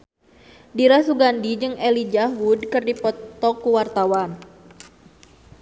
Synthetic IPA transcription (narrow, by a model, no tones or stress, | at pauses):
diɾasuɡandid͡ʒɨŋɛlid͡ʒaɦudkɨrdipɔt̪ɔkuwart̪awan